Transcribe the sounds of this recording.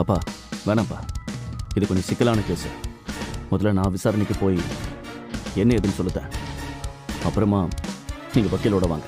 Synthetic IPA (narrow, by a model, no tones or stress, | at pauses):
ɐpːaː | ʋeːnãːpːa̰ː | ɪðɯkɔɲd͡ʒɐsɪkːɐlaːnɐkeːsɐ̰ | mɔðɐlanãːʋɪsaːɾɐnɪkːɯpoːji | ɛnːɐɛðɯnːɯsɔlːɯt̪ːḛ̃ː | ɐpːɯɾɐmaːniːŋɡɐʋɐkːɪlʊɽɐʋaːŋɡɐ